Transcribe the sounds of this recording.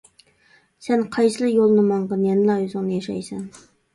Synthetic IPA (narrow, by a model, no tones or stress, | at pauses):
sɛnqʰɑjsɨlˠɨjolˠnɨmɑɴʁɑnjɛnlɑjuzʊŋnɨjɑʃɑ̰jsɛ̰n